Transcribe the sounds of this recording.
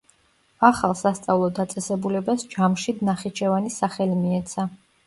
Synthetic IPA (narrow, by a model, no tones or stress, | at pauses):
aχalˠsast̪sʼavlˠɔd̪at̪sʼɛsɛbulɛbasd͡ʒamʃid̪naχit͡ʃʰɛvanisaχɛlimiɛt̪sʰa